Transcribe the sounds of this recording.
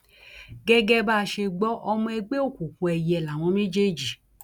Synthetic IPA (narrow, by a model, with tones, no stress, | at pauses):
ɡɛ˦ɡɛ˦ba˦˧ʃe˧ɡ͡bɔ˦ʔɔ˧mɔ̃˧ɛ˧ɡ͡be˦o˦˨ku˨kũ˧ɛ˧jɛ˧˨la˨w̃ɔ̃˨˦mẽ˦d͡ʒe˦d͡ʒi˨